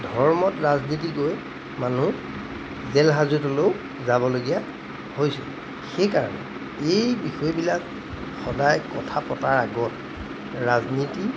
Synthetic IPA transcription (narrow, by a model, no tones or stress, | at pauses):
dʱɔɹmɔtɹaznitikoj | manu | zɛlɦazutoloʊ | zabɔloɡija | hojsɛ̰ | xejkaɹɔ̰nɛ̰ | ejbixɔjbilak | xɔdajkɔtʰapɔtaɹaɡɔt̚ | ɹazniti